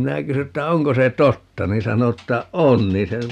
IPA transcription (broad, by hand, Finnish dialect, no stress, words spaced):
minæ kysy etːæ oŋko se totːɑ niːn sɑno tːæ on niː se